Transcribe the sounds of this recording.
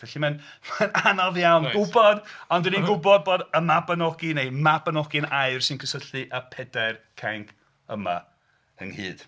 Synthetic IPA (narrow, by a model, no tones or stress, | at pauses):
vɛɬiman | mananɔvjawnɡʊbɔdɔndɪninɡʊbɔd̚boːdəmabənɔɡinejmabənɔɡɨnaɨrsɨnkʰəsəɬɨʔəpʰɛdɛrkʰaŋkʰ | əma̰ | ə̰nhɨ̰ːd̥